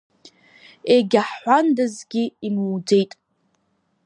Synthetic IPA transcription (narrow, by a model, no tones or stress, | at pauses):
eɡʲaħːʷandazɡʲiimwd͡ze̞jtʼ